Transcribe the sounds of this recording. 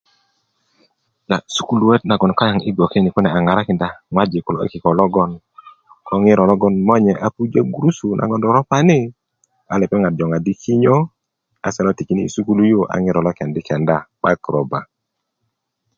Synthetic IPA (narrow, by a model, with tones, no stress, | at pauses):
la˨su˦ku˦lu˨wɛ˦t̚na˨ɡɔ˨n˨ka˦ja˨ŋi˦ɡɔ˨ke˦ni˨ku˦nɛ˨a˨ŋa˨ɾa˦kɪ˨nda˦ŋwa˦d͡ʒe˨ku˨lɔ˨ḛ˦kɪ˨kɔ˨lɔ˦ɡɔ˦n | kʰɔ˦ŋɪ˦ɾɔ˨lɔ˦ɡɔ˦nmɔ˦ɲɛ˨ʔa˦pu˦d͡ʒa˦ɡu˨ɾu˦su˨nʔa̰˨ɡɔ˨ndɔ˨ɾɔ˦pa˦nɪ˦ | a˨lɛ˨pɛ˦ŋa˨d͡ʒɔ˨ŋa˨di˦kʰi˦ɲɔ˦ | a˨sɛ˦lɔ˦ti˨ki˦niː˦˨su˦ku˦lu˦jo˦ʔa̰˨ŋɪ˦ɾɔ˨lɔ˦kɛ˨ndɪ˦kɛ˨nda˦˨ɓa˦kɾɔ˨ba˨